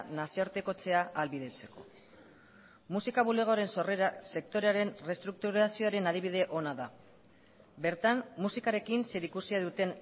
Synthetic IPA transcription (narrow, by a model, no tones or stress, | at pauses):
nasiooɾt̪e̞ko̞t͡se̞aʔalβiðe̞t͡se̞̥ko̞̰ | musikaβ̞ule̞ɣ̞o̞ɾe̞nso̞reɾase̞k̚t̪o̞ɾe̞aɾe̞nre̞st̪ɾuk̚t̪uɾasio̞aɾe̞naðiβ̞ið̞e̞ʔo̞naða | be̞ɾt̪amːusikaɾe̞kinse̞ɾikusiaðut̪e̞n